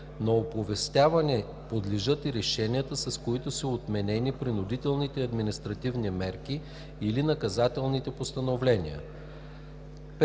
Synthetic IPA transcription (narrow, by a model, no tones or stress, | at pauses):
nɐopovɛst̪ʲavɐnɛ | pod̪liʒɤt̪iɾɛʃɛniət̪əsɐskoit̪ʊsəot̪mɛnɛnipɾinʊd̪it̪ɛlˠnit̪ɛɐd̪minist̪ɾɐt̪ivnimɛɾk̟i | ilinɐkɐzat̪ɛlˠnit̪ɛpost̪ɐnovlɛnʲḭə̰ | p